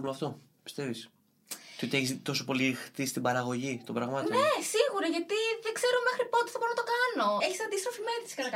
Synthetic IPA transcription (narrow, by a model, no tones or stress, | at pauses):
loɐft̪o̞ | pi̥st̪e̞vis | t̪iot̪ieçist̪o̞so̞po̞lixt̪ist̪ibɐɾɐɣo̞ʝit̪obɾɐɣmɐt̪nesiɣuɾɐʝɐt̪iðeɡze̞ɾome̞xɾipot̪i̥θɐboɾonɐt̪okɐno̞eçisɐnd̪ist̪ɾofimeɾit̪si̥kɐnɐk